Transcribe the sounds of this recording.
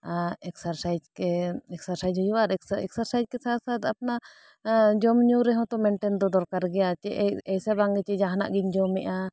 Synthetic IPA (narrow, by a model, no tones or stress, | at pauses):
aɛksaɾsajd͡ʒkɛɛksaɾsajd͡ʒɦɔjwaɾɛɛ̰ksaɾsajd͡ʒkɛsaɾsat̪apna | d͡ʒɔmɲuɾɛɦɔ̃t̪ɔmɛɳʈɛnd̪ɔd̪ɔɾkaɾɡɛjat͡ʃɛʔɛjsabaŋɡɛt͡ʃɛd͡ʒaɦna̰ʔɡiɲd͡ʒɔmɛʔa